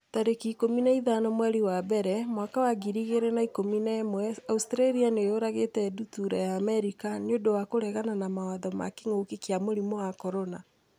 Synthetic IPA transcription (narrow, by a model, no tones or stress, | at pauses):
taɾekikominaiðanɔmwɛɾiwabɛɾɛmwakawaɡiɾiɣeɾɛnaikominɛmwɛaustɾaɾianeoɾaɣetɛdutuɾajaːmɛɾikaneodowakoɾɛɣananamawaðɔma̰kiŋokekiamoɾimɔwakɔɾɔna